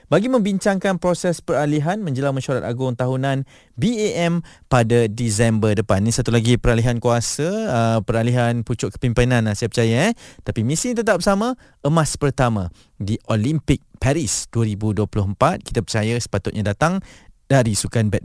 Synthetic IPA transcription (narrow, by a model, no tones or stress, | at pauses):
baɡimə̃mbiɲt͡ʃaŋkanpɾosɛspəɾaliɦanmə̃ɲd͡ʒəlaŋmaʃɾat̪̚aɡʊŋt̪aɦunãn | bieʔɛm | padadis̬ɛmbərdəpanisat̪ulaɡipəɾaliɦankuasəːpəɾaliɦanput͡ʃʊʔ̚kə̥pimpinãnasaapərt͡ʃajaɛt̪apimĩsiŋt̪ət̪̬ap̚samã | əmaspərt̪amã | diʔolimpɪk̚paɾisd̥uəɾibuduəpulʊɦəmpat̪̚ki̥t̪əpərt͡ʃajasə̥pat̪ʊt̪̚ɲadat̪aŋd̥aɾisukanbɛt̪̚